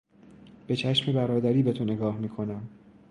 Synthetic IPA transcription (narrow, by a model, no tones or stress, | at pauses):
b̥e̞t͡ʃʰæʃme̞bæɾɒːd̪æɾiːbe̞t̪ʰone̞ɡɒːhmiːkʰo̞næm